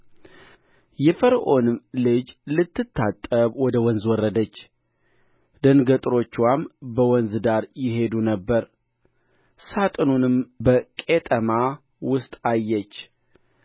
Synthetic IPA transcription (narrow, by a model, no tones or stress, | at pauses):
jɛfəɾʔo̞nɨmlɨd͡ʒlɨt̪ʰːɨt̪ʰːat̪ʼːəβwɔd̪əwɔnzwɔrːəd̪ət͡ʃː | d̪̥ənɡət̪ʼɾo̞t͡ʃːwambəwɔnzd̪aɾjɪɦe̞d̪unəbːəɾ | sat̪ʼɨnunɨmbəkʼet̪ʼəma | wʊst̪ʼajːɛt͡ʃː